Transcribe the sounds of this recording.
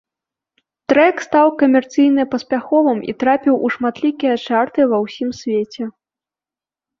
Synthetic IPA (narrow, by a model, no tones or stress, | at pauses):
t̪ɾɛkst̪awkɐmʲɛrt̪sɨjnɨpɐsʲpʲaxɔvɨmḭt̪ɾapʲiwʔuʂmat̪lʲikʲijɐt͡ʂart̪ɨvɐwsʲimsʲvʲet͡sʲɛ